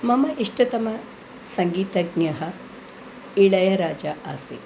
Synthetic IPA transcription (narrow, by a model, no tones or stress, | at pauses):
mɐmɐʔiʂʈɐt̪ɐmɐ | sɐŋɡiːt̪ɐɡɲɐɦɐ | iɭɐjɐɾaːd͡ʒɐʔaːsḛː